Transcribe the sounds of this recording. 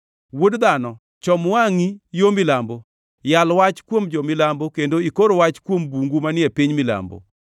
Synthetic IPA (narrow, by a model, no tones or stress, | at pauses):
wodd̪anɔ | t͡ʃɔmwaŋijomɪlambo | jalwat͡ʃkwomd͡ʒɔmɪlambokendoikoɾowat͡ʃkwombuŋɡumanɪepiɲmɪla̰mbo̰